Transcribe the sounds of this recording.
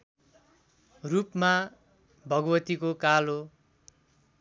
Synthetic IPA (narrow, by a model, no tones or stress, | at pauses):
rupma | bʱʌɡʌwʌt̪ikokalo